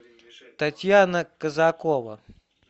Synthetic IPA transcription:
t̪ɐt̪ʲjanɐkɐzakɔʋɐ̰

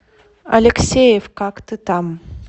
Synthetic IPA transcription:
a̰lʲeksʲejefkakt̪ɨt̪am

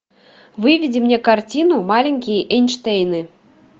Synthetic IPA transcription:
vɨvʲid͡zʲimnʲɛkart͡sʲinumalʲeŋʲkʲijʔɛnʲʂt̪ɛjnɨ

